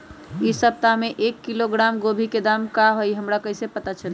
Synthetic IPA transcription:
isəb̚t̪ameʔekːiloɡɾamɡobʱiked̪amkaɦojɦəmɾakəɦisepət̪at͡ʃʰəl

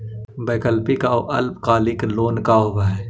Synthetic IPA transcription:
beːkəlpikaoʔɐlpkaːlɪkloːnkaobaɛ

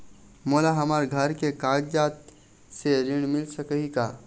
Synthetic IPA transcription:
moːlaɦɐmaːɾɡʱəɾkekaːɡd͡ʒaːt̪ | seɾɪɽ̃mɪlsəkəɦikaː

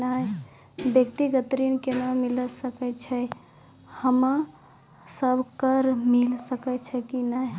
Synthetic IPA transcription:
naj | bjəkt̪iɡət̪ɾinkenamiləsəkɛt͡ʃʰɛ | həma | səbʱkəɾmilsəkɛt͡ʃʰɛkinaj

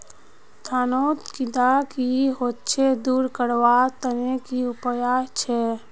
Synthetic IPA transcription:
t̪ʰaːnoːt̪kid̪akiɦot̪̚t͡ʃʰed̪uːɾkəɾwat̪ənekiʊpjaːt͡ʃʰɛ

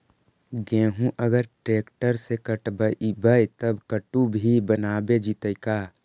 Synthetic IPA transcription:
ɡẽːɦũʔəɡəɾʈɾeːkʈəɾsekəʈbəbəjt̪əbkəʈubʱibənaːbed͡ʒit̪əjkaː

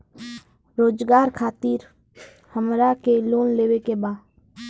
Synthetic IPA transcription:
ɾoːd͡ʒɡaːɾkʰaːt̪iɾ | həmɾakeloːnleːwekebaː

